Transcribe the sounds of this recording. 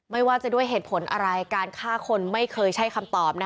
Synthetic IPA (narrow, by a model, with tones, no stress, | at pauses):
ma˥˩jwaː˥˩t͡ɕa˨˩du˥˩əjɦeː˨˩t̪̚pʰo˩˦nʔa̰˧ɾa˧jkaː˧nkʰaː˥˩kʰo˧nma˥˩jkʰɤː˧jt͡ɕʰa˦˥˩jkʰa˧mt̪ɔː˨˩p̚na˦˥